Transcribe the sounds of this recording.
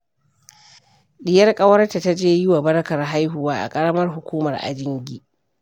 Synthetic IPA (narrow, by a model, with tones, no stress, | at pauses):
ɗɪ˨jɐ˦rkʼɐ˦wɐ˦rta˨ta˦d͡ʒeː˦jɪ˦wa˨bɐ˦ɽɐ˦kɐ˨rɦa˦jɦʊ˨waː˦ʔa̰˨kʼɐ˦ɽɐ˦mɐ˦rɦʊ˨kʷuː˦mɐ˨rʔa̰˨d͡ʒɪ˦ŋɡʲiː˦